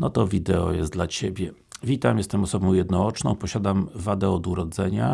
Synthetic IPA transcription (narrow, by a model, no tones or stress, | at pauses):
nɔt̪ɔvʲid̪ɛɔ̰jɛ̰sd̪lat͡ɕebʲjɛ | vʲit̪amjɛst̪ɛmɔsɔbɔ̃w̃jɛd̪nɔɔt͡ʂnɔ̰̃w̃pɔɕad̪amvad̪ɛɔd̪uɾɔd̪zɛɲa